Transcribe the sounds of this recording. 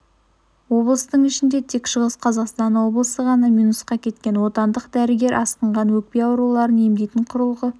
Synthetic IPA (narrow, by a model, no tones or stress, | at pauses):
wo̞blˠəst̪əɴɪʃɪnd̪e̞t̪ʰe̞kʃəʁəsqʰɑzɑqst̪ɑnwo̞blˠəsəʁɑnɑmijnusqɑkʲʰe̞t̪kʲe̞nwo̞t̪ɑnd̪əqd̪æɾɪɡʲe̞ɾʔɑsqəɴʁɑnwɵk̚pe̞ɑwɾulˠɑɾənemd̪ejt̪ɪɴqʰʊɾəlˠʁə